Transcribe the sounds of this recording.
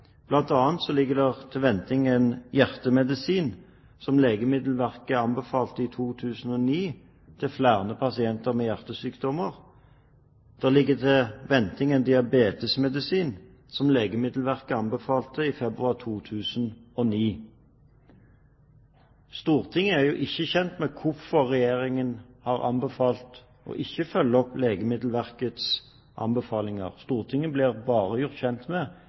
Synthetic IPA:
b̥lɑnt̪ɑːnt̪sɔlɪɡːəʁd̪ɛʁt̪ʰɪʋɛnt̪ɪŋɛnjæʁt̪əmɛd̪ɪsiːn | sɔmleːɡəmɪd̪l̩ʋæʁkəɑnbəfɑːlt̪əiːt̪ʰuːt̪ʰʉːsn̩ɔːniː | t̪ʰɪlflæːʁnəpʰɑsɪɛnt̪əʁmeːjæʁt̪əsyːkd̪ɔməʁ | d̪̥æʁlɪɡːəd̪ɛʋɛnt̪ɪŋɛnd̪ɪɑbeːt̪əsmɛd̪ɪsiːn | sɔmleːɡəmɪd̪l̩ʋæʁkəɑnbəfɑːlt̪əifɛbʁʉɑʁt̪ʰuːt̪ʰʉːsnɔniː | st̪uːʁt̪ʰɪŋːəæʁjuːʔɪçːəçɛnt̪mɛkʰʊʁfɔʁːɛjeːʁɪŋənhɑʁɑ̰nbəfɑːlt̪ | ɔ̰ʔɪçːəfœlːəɔpleːɡəmɪd̪l̩ʋæʁkət̪s | ʔɑ̰mbəfɑːlɪŋə̰ʁst̪uːʁt̪ʰɪŋːəblɪʁbɑːʁəjʊʁt̪çɛnt̪mɛ

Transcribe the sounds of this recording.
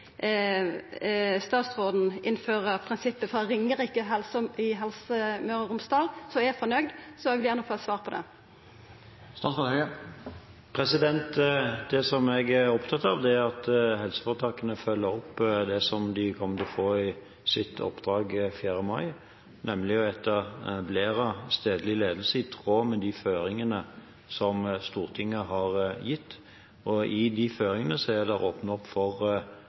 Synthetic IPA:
st̪ɑːt̪sʁoːd̪n̩ʔɪnføːʁəpʰʁɪnsɪpːəfʁɑɾɪŋːəʁɪkːəɦɛlsəɪɦɛlsəmøːʁəʁʊmst̪ɑːlsɔɛfɔnœʏd̪sɔɛɡʋɪljæʁnəfoːɛt̪sʋɑːʁpʰɔd̪ɛ̰ | st̪ɑs | pʰɾɛsɪd̪ɛnt̪d̪ɛsɔmɛɡæɔpt̪ʰɑt̪ːɑʋd̪ɛʁɑt̪hɛlsə̥foʁt̪ʰɑːkənəfœlːəɔpːd̪ɛsɔmd̪ɪkʰɔmːət̪ɪlfoːɪ | sɪt̪ʰɔ̰pːd̪̥ɾɑːɡfjæːɾəmɑɪ | nɛmlɪɛt̪ʰːəʁbleːɾɑst̪eːd̪əlɪleːd̪lsəɪt̪ʰʁoːmɛd̪iføːɾɪŋənə | sɔmst̪uːʁt̪ʰɪŋːəɦɑʁjɪt̪ː | ɔɪd̪iføːɾɪŋənəsɔɛd̪ɛʁoːpnəɔpːfɔʁ

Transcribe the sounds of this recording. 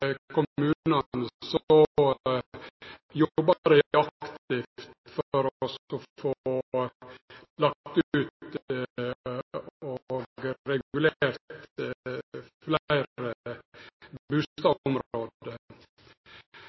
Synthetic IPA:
kʰʊmʉːnəsɔ | jɔbɑɾəɑkt̪ɪft̪fɔɾsɔfooː | lɑk̚t̪ʉːt̪ | oɡɾɛɡʉleːɾt̪ | flæɪɾə | bʉːt̪ɑmɾoːd̪ə

